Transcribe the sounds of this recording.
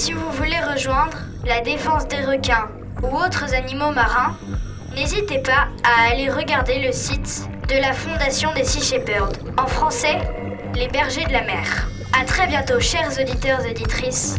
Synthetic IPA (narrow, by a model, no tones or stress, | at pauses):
sivuvuleʁəʒwɛ̃d̪ʁ | lad̪efɑ̃sd̪eʁəkʲɛ̃ | uot̪χəzanimomaʁɛ̃ | nezit̪epaaːleʁəɡaʁd̪eləsit̪ | d̪əlafɔ̃d̪asjɔ̃d̪esiʃepœʁd̪ | ɑ̃fχɑ̃sɛ | lebɛʁʒed̪əlamɛːʁ | at̪χɛbjɛ̃t̪oʃɛʁzod̪it̪œʁzod̪it̪χis